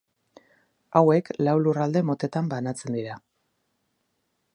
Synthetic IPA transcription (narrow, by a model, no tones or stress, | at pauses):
awe̞klawlurald̪e̞mo̞t̪e̞t̪ambanat͡se̞nd̪iɾa